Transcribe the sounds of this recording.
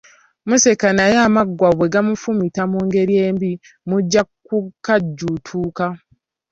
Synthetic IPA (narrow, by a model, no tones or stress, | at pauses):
musekanajamaɡwaβwe̞ɡamufumitamuːŋɡe̞ɾje̞ːmbi | muɟːakukaɟːutʰuːka